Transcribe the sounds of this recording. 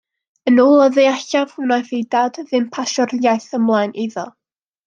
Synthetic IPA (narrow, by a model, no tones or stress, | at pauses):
ənuːlˠɔðeaçav̥hʊnajθejdadðɪmpʰaʃɔrjajθəmlˠaːjnʔiðɔ